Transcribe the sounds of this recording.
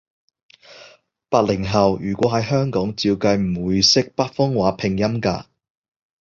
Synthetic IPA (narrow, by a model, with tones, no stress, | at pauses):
paː˧t̚lɪ˨˩ŋɦɐ˨wjyː˨˩kʷɔː˨˥ɦɐ˨˧jɦœː˥ŋkɔː˨˥ŋt͡siː˧wkɐ˧jm̩˨˩wuː˨˧jsɪ˥k̚pɐ˥t̚fʊ˥ŋwaː˨˥pʰɪ˨˩ŋjɐ˥mka̰ː˧